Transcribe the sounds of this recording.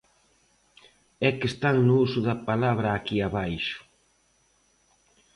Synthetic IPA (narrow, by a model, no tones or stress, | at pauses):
ɛkest̪aŋnʊusʊðɐpalaβ̞ɾɐːkiaβajʃʊ̥